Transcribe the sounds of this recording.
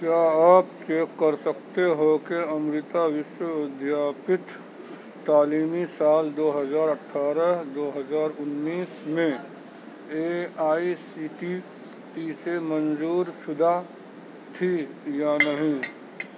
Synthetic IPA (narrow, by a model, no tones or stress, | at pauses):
kjaːɐbt͡ʃeːkːəɾsəkt̪eɦokeɐmɾɪt̪aʋɪʃwəʋɪd̪ʱjaːpɪt̪ː | aːliːmisaːld̪oːɦəzaːɾəʈʰːaːɾəɦd̪oːɦəzaːɾʊnːiːsmẽ | eaːisiːʈi | iːsemənzuːɾsʊd̪ʱa | t̪ʰi | janɐɦĩ